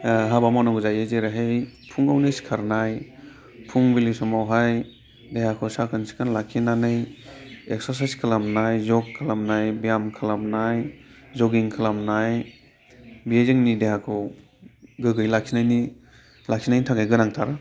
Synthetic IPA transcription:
ɦabamɔnɔɡuzajezeɾaɦejpʰuŋɡawnejsi̥kʰaɾnaj | pʰuŋbilisɔmawɦaj | dejhakʰɯwsakʰɯnsi̥kʰɯnlakʰinanɯjek̚saɾs̬ajskʰɯlamnajzɔkʰːɯlamnajbijamkʰɯlamnajzɔɡiŋkʰɯlamnaj | bijezeŋnideɦakʰɯw | ɡɯɡɯjlakʰinajni | lakʰinajnitʰaɡajɡɯnaŋtʰaɾɯ

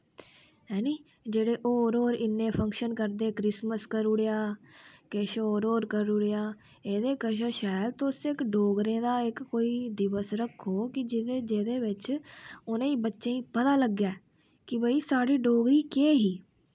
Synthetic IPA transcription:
ɦɛːniː | d͡ʒeːɽeːʔoːɾoːɾɪnːẽːpʰəŋkʃənkəɾd̪eːkɾɪsməskəɾʊɽejaːkeːʃoːɾoːɾkəɾʊɽejaː | eːd̪eːkəʃ̬əʃaːlt̪osɪkɖoːɡɾẽːd̪aːɪkːoːiːd̪ɪʋəsɾəkʰːoːkɪd͡ʒɪd̪eːd͡ʒeːd̪eːʋɪt͡ʃʊnẽːiːbətːʃẽːĩːpət̪aːləɡjaː | kɪbəiːsaːɽiːɖoːɡɾiːkeːɦiː

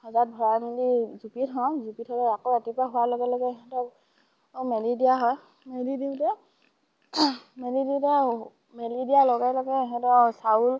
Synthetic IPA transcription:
hɔzat̚bʱɔɹamindizupitɦɔ̃zupithɔtɛakoatipaɦuwalɔɡɛlɔɡɛɛɦɛtɔ | melidijaɦɔj | medidiʊtɛ | mediditɛ | mɛlidijalɔɡajlɔɡɛːɦɛtɔsaul

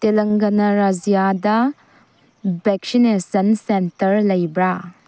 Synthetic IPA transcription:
telɐŋɡɐnɐɾazijadɐ | beksinesɐnsentɐɾlɐjbɾa

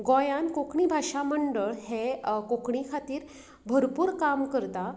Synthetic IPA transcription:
ɡɔjãnkokʰɳibʱaʂaməɳɖəɭɦekokʰɳikʰat̪iːɾ | bʱəɾpuːɾkamkəɾt̪a

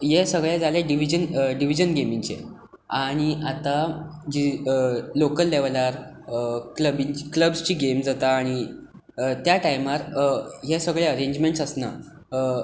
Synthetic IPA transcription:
jesəɡɭjad͡zaleɖiʋ̤id͡ʑənɖiʋid͡ʑənɡemiŋt͡ɕḛ | aɽ̃iʔat̪ad͡ʑi | lokəlːeʋlaɾ | kləbikləbst͡ɕiːɡemd͡zat̪aːɽ̃i | t̪jaʈajmaɾjesəɡɭjeəɾeɲd͡ʑmẽɳʈsəsna̰

